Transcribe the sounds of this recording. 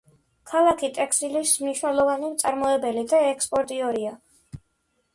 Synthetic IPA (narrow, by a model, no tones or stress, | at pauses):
kʰalˠakʰit̪ʼɛkʰsilismniʃwnɛlˠɔvanimt̪sʼaɾmɔɛbɛlid̪aɛkspʼɔɾt̪ʼiɔɾia